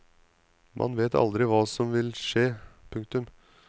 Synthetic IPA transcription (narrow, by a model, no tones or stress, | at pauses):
mʔɑ̰nʋeːt̪ɑ̰ld̪ɾɪʋɑːsɔmʋɪlʂeːpʰʉŋkt̪ʉm